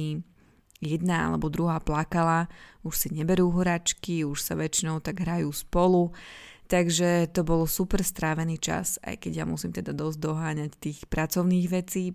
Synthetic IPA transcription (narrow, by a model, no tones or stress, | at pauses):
i | jɛd̪naa̰lɛbɔd̪ɾuɦaːplakalauʃsiɲɛbɛɾuːɦɔɾat͡ʃkiuʃsaʋɛt͡ʃinɔʊt̪aɡɦɾajuːspɔlut̪aɡʒɛt̪ɔbɔlɔsupɛɾst̪ɾaːʋɛniːt͡ʃa̰sa̰jkɛɟjamusiːmt̪ɛd̪ad̪ɔzɟd̪ɔɦaːɲact̪iːxpɾat͡sɔʊniːɣʋɛt͡siː